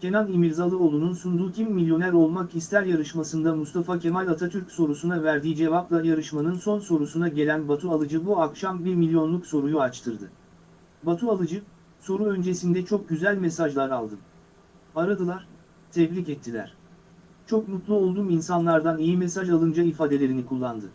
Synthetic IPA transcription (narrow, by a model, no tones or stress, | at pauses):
cʰe̞nanimiɾzalˠɯo̞lˠununsund̪uːcʰimːilʲjo̞næɾo̞lˠmakist̪ʰæɾjaɾɯʃmasɯnd̪amust̪ʰafacʰe̞malʲat̪ʰat̪ʰyɾcʲso̞ɾusunavæɾd̪iːid͡ʒe̞vaplˠajaɾɯʃmanɯnso̞nso̞ɾusunaɟe̞lʲænbat̪ʰualˠɯd͡ʒɯbuakʃambiɾmilʲjo̞nlˠukso̞ɾujuat͡ʃt̪ʰɯɾd̪ɯ | bat̪ʰualˠɯd͡ʒɯ | so̞ɾuø̞nd͡ʒe̞sind̪ɛt͡ʃʰo̞k̚ɟyzælʲmesaʒlˠaɾalˠd̪ɯm | aɾad̪ɯlˠaɾ̥ | t̪ʰɛblʲicɛt̪ʰːilʲæ̰ɾ̝̥ | t͡ʃʰo̞knut̪lˠuo̞lˠd̪uːminsanlˠaɾd̪anijimesaʒalˠɯnd͡ʒaifaːd̪e̞lʲe̞ɾinikʰulˠːand̪ɯ